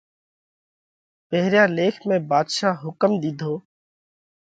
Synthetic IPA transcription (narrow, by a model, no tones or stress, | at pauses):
peɦɾjaːleːkʰmẽːbaːd̪ʃaːɦʊkəmd̪ɪd̪ʱoː